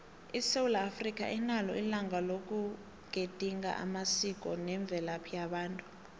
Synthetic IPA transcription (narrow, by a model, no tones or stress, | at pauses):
iseulaːfrik̬ʼa̰ʔɛnalɔ̰ilaŋalok̬ʼu | ɡ̥ʱed̥ʱiŋɡa̰ʔa̰masik̬ʼɔnɛɱb̪vʱɛlapʰijaɓaːntʼu̥